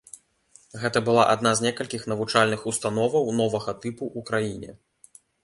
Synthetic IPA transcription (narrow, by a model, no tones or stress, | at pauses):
ɣɛt̪ɐbɨlˠaʔad̪nazʲnʲɛkɐlʲkʲixn̪ɐvut͡ʂalʲnɨxust̪an̪ɔvɐwn̪ɔvɐɣɐt̪ɨpuʔːkɾajinʲɛ̰